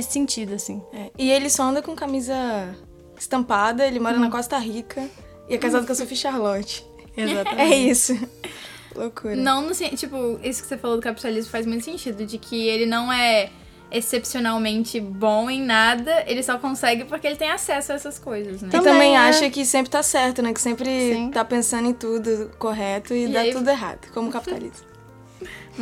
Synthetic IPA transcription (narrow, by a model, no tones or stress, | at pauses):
nesɪ̥sẽt͡ʃid̪ʊasḭ̃ɛɪelɪsɔɐ̃nd̪ɐkõkamizɐ | ɪst̪ɐ̃mpad̪ɐelɪmɔɾɐnɐkɔst̪ɐɦikʰɐ | ɪɛkazad̪ʊksofiʃaɾlɐ̃t͡ʃɪ̥ | ezat̪ɐɛisʊ | lokuɾɐnɐ̃w̃nʊsẽt͡ʃipʊesʊ̥kɪ̥sefalod̪ʊkapi̥t̪alizmʊfajzmũj̃t̪ʊsẽnt͡ʃid̪ʊd͡ʒɪkʰɪelɪnɐ̃w̃ɛ | esepsionawmẽnt͡ʃɪbõẽj̃nad̪ɐelɪsɔkõsɛɡɪpoɾkeelɪt̪ẽj̃asɛsʊaɛsɐskojzɐsnɛt̪ɪ̃t̪ɐ̃mbẽj̃aʃɐkɪsẽmpɾɪt̪asɛɾt̪ʊnɛkɪ̥sẽmpɾɪsĩt̪apẽsɐ̃nd̪ʊẽt̪ud̪ʊkoɦɛt̪ʊɪd̪aiud̪ʊeɦa̰d̪ʊkõmʊkapi̥t̪a̰lḭst̪ɐ